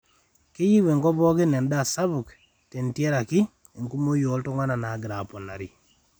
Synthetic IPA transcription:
kɪ˦ji˦we˨ŋɡɔ˦bɔ˦kɪ˦nɛ˨nda˦˨sa˦bu˨k | te˨ntje˦ɾa˨kɪ˦ | e˨ŋku˦mo˦jɔ˨˦ltɔ˦ŋwa˦na˨na˨˦ɡɪ˨ɾa˨pɔ˨na˨ɾi˨

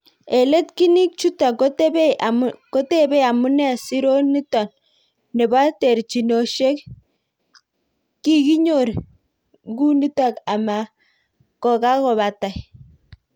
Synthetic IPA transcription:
e˨le˦tki˦ni˦k̚t͡ʃu˦ta˨ko˦te˦be˦ko˦te˦be˦a˨mu˦nɛ˦˨si˦ɾo˦ni˦ta˨n | ne˨ba˦te˨ɾt͡ʃi˨no˨ʃe˦k̚ | i˦ɡi˦ɲo˦˨ɾ | ɡu˦ni˦ta˦ka˨ma˨ | kɔ˨ka˦kɔ˨βa˨ta˨j

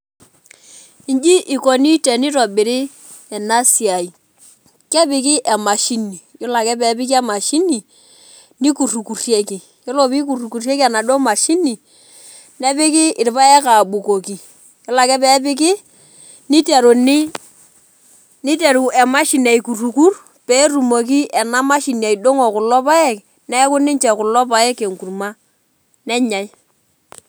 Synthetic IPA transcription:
i˦nd͡ʒi˦ʔi˨kɔ˨ni˦tɛ˨ni˦ɾɔ˨bɪ˨ɾɪ˦ | ɛ˨na˦si˨a˨i˨ | kɛ˦pɪ˨kɪ˦ʔɛ˨ma˨ʃi˦ni˨jo˦la˨kɛ˦pɛ˨˦pɪ˦ki˦ɛ˦ma˨ʃi˦ni˨ | ni˦ku˨ru˨ku˨rje˦kɪ˨ | jo˦lo˦˨pi˦k̬u˨ru˨ku˨rje˦ki˦a˨na˨dɔ˦ma˨ʃi˦ni˨ | nɛ˦pɪ˦kɪ˦ɪ˨ɾɪ˨pa˦ɛ˦ka˨ɓu˨ko˨ki˨ | kɛ˦la˨kɛ˦pɛː˦pɪ˦k̬ɪ˦ | ni˦te˨ɾo˨nɪ˦ | ni˦t̬e˨ɾu˨ɛ˨ma˦ʃi˨na˨i˨ku˨ru˨ku˦r | pɛ˦ɾu˨mo˨k̬i˦ʔɛ˨na˦ma˦ʃi˨nia˨i˨do˦ŋo˨kʊ˨lɔ˦pa˦ɛ˦k | nɛ˦kʊ˦nɪ˦nt͡ʃɛ˨kʊ˨lɔ˦pa˨ɛ˦ke˨ŋku˨rma˦ | nɛ˦ɲa˨j

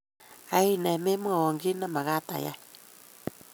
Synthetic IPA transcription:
a˨i˦˨nɛ˨me˦mu˦a˨wɔ˨ŋɡi˦na˦ma˨ɣa˦ta̰˨ja̰˦

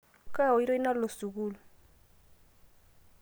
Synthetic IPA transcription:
ka˦˨ɔ˨i˦ɾo˦i˦na˦lo˨su˨k̬uː˦lɔ˨

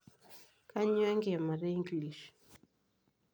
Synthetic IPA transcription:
ka˦ɲwɛ˦ŋɡɛ˨ma˨ɾɛ˦i˦ŋɡli˨ʃ

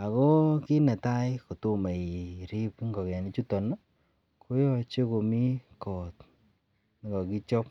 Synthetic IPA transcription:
a˨ko˦ki˦ne˨ta˦jko˨to˦me˨ɾi˦pŋɡɔ˨kɛ˨ni˦t͡ʃu˦tɔ˨nɔ˦ | kʰo˦jɔ˧t͡ʃe˦ko˨mi˦kɔ˨t | n˨ŋɡɔ˨ki˦t͡ʃɔ˦p̚

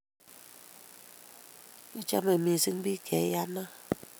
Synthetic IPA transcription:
i˦t͡ʃa̰˦me˨mi˨sɨ˦ŋ˦bi˦kʰɛ˨˦ja˦na˦

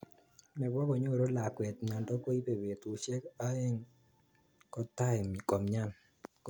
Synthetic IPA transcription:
mɛ˨bɔ˦bɔ˨ɲo˦˨ɾo˦la˨kwɛ˨t̪ɲ˨a˨ndɔ˦ko˦i˦pe˨be˨t̪o˨ʃe˦ka˦e˦ŋ | kɔ˦t̪a˦ɪ˨mi˨kɔ˨mɲa˦n

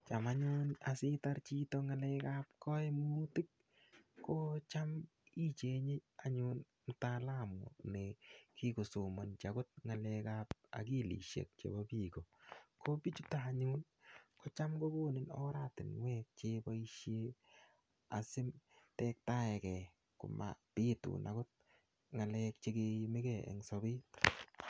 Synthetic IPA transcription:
t͡ʃa˨ma˦ɲʊnasɪ˦ta˦ɾt͡ʃi˦tɔŋa˨lɛ˦ka˦p̚kɔ˦e˦mutɪ˦k̚ | kot͡ʃa˦m | i˦t͡ʃe˨ɲɪ˦aɲʊn | m̩˨ta˦la˦mʊ̰nɛki˦ko˨su˨mɔ˨nt͡ʃa˨kʊ˦t̚ŋa˨lɛ˧kap̚a̰˨ki˦lḭ˨ʃḛ˨k̚t͡ʃḛ˨bɔ˦bi˦ko˨ko˦bi˦t͡ʃu˦taː˨ɲʊ˦n | kɔ˦t͡ʃa˦mɡo˦bo˦˨nɪ˨nɔ̰˦ɾa˦tɪ˨nwɛ˦k̚t͡ʃe˦bɔ˦i˦ʃje˦ | a̰˨sɪ˦mtɛ˦k̚ta˦ɛ˨kɛ˨ | kʊ̰˨ma̰˨pi˦tʊ̰˨nʔa˨ɡʊ˦t̚ | ŋa˨lɛ˦k̚t͡ʃe˦ɡe˧mɪ˦kɛ˨ɛ̰˨ŋsɔ˨bɪ˦t

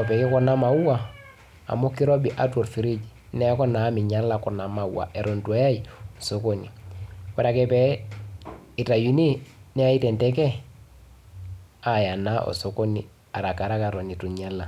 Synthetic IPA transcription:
ɔ˨pɛ˨kɛ˦kɔ˦na˦ma˨u˦wa˦ | a̰˨mo˦ki˦ɾɔ˦bi˨ʔa˦two˨ɾfi˨ɾi˦d͡ʒi˨ | nɛ˦kɔ˦na˨˦mi˨ɲa˦lːa˨kɔ˨na˨ma˨uwa̰˨ʔɛ˨ɾo˨ntu˨a˨˦ja˦io˨so˨ko˦ni˨wa˨ɾa˨kɛ˦pɛ˦ | i˨ta˨ju˨ni˦nɛ˦a˦i˦tɛ˨ntɛ˦k̬ɛ˦ | a˨ja˨na˦ʔɔ̰˨so˨ko˦nḭ˨ | a˨ɾa˨ka˨ɾa˦ka˨ɾo˨ni˨tu˨ɲa˦lːa˨

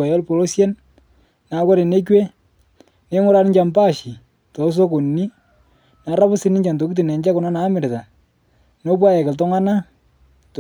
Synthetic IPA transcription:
a˨jɔ˦lpo˨lo˦sjɛ˦n | na˨˦kɔ˦ɾe˨ne˦kwe˦ | ne˨˦ŋʊ˦ɾa˦n˦ɲt͡ʃa˨mpa˦ʃi˨ | to˨˦s̬o˦ko˨nni˦ | na˨˦ɾa˦pʊ˦sɪ˦nɪ˦ɲt͡ʃa˨nto˨ki˦t̬i˨nɛ˨ɲd͡ʒa˦kʊ˨na˦naː˨˦mɪ˨ɾta˨ | no˦p̬wa˦jɛ˨kɪ˨ltɔ˦ŋa˦na˦ | t

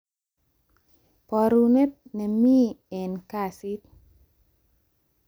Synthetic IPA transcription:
pɔ˧ɾu˧ne˦t̪̚ne˨mi˦e˨nkasi˦t̪̚

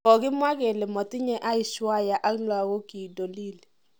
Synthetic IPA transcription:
ɔ˨k̬ɪ˦mwa˦k̬ɛ˨lɛ˨mɔ˨tʼi˦ɲɛ˦ʔa˦i˨ʃwa˦ja˨ʔa˦lwa˨ɣo˦ki˨do˨liː˦lɛ˨

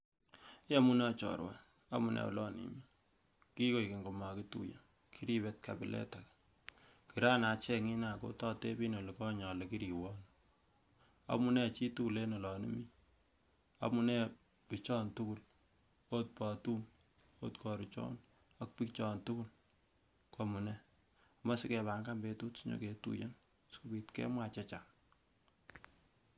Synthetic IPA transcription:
ja˦mu˦nɛ˦˨t͡ʃɔ̰˨ɾwa̰˨ | a˦mu˨nɛ̰˨w̰lɔ˦nḭmi˦ | ki˦ko˨jki˨ŋɡo˨ma˨ki˦tṵ˨ja̰˨ | kʰi˦ɾi˦βɛ˦t̚ka˨bɪ˨lʔɛ̰˦ta˨k | ki˨ɾa˦na˨t͡ʃɛ˦ŋi˦na˨ko̰˦tɔ˦te˦bi˦no˨li˨kɔ˦ɲɔ˨le˨ki˦ɾi˨wɔ˦n | a̰˨mu˦nɛ˦˨t͡ʃi˦tu˦˨le˦nɔ˨lɔ˨nḭ˦mi˦ | a̰˨mu˦nɛ˦ | pi˨t͡ʃɔ˦ntu˦ku˦l | o˦t̚pɔ˨tu˦n | o̰˦tkɔ˨ɾu˨t͡ʃɔ̰˦n | a˦k̚pi˦kt͡ʃɔ˦ntu˦ku˦l | ko˦mu˨nɛ˦ | ma˦si˦kɛ˨ba˨ŋka˦mbe˦tu˦tɲo̰˨ke˨tṵ˦jḛ˦n | sku˦bi˨tkɛ̰˦mwa˨t͡ʃɛ˦t͡ʃa˨

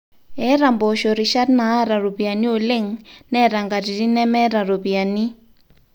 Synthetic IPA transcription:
ɛ˦ɾa˨mbɔ˨ʃo˨ɾi˨ʃa˦tnaː˨˦ɾa˨ɾo˨βi˨a˨ni˦o˨le˦ŋnɛ˦ɾa˨ŋɡa˨ɾi˨ɾi˦nɛ˦mɛ˦ɾa˨ɾo˨βi˨a˨ni˦

